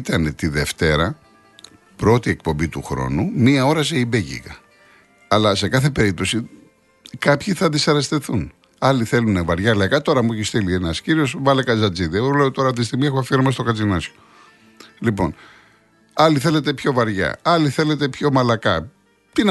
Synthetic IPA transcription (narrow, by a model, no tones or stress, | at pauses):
t̪ɐne̞t̪iðe̞ft̪e̞ɾɐ | pɾo̞t̪ie̞k̚po̞mbit̪uxɾo̞̰numiɐo̞ɾɐs̬eibeʝḭɣɐ̰ | ɐlɐse̞kɐθe̞pe̞ɾip̚t̪o̞si | kɐpçiθɐd̪isɐɾɐst̪e̞θun | ɐliθe̞lunevɐɾʝɐlɐkɐt̪o̞ɾɐmueçist̪ilienɐsciɾio̞svɐlekɐzɐd͡ziðieɣoleot̪o̞ɾɐt̪ist̪iɣmiexoɐfiɾomɐs̬t̪okɐt͡sinɐso̥ | lipo̞n | ɐliθe̞le̞t̪̬e̞pço̞vɐɾʝɐ̰ɐliθele̞t̪e̞pço̞mɐlɐkɐ | t̪i